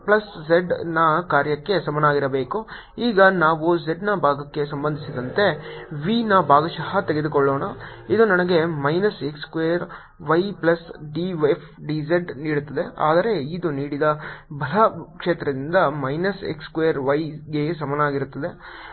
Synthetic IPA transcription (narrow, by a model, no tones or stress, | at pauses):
plɐsd͡ʒeɖnɐkaːɾjɐkːe̞sɐmɐnɐaːɡiɾɐbeːku | iːɡɐnaːʋuzeɖnɐbʱaːɡɐkːe̞sɐmbɐnd̪ʱisid̪ɐnt̪e̞ʋiːnɐbʱaːɡɐʃɐɦɐt̪eɡe̞d̪ukɔɭːoːnɐid̪unɐnɐɡe̞mɐjnɐsekskʋejɐɾ | ʋɐjplɐsɖiʋepʰɖid͡ʒeɖniːɽut̪ːɐd̪e̞a̰ːd̪ɐɾe̞id̪uniːɽid̪ɐbʱɐlɐkʂeːt̪ɾɐd̪ind̪ɐmɐjnɐsḛkskʋejɐɾʋɐjɡe̞sɐmɐnɐaːɡiɾut̪ːɐd̪e̞